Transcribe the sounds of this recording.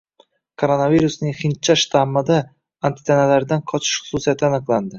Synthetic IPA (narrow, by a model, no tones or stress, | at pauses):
kʰoɾonaviɾusnɪŋχint͡ʃʰːaʃt̪ʰamːɨd̪a | ant̪ʰɪ̥t̪ʰanalaɾd̪anqʰɒt͡ʃʰɪ̥ʃχʊ̥susijat̪ʰɪanɨqlˠand̪ɪ